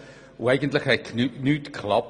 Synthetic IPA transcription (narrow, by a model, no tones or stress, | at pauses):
uɛɪɡəntləχhɛkʰnnytkʰlɑp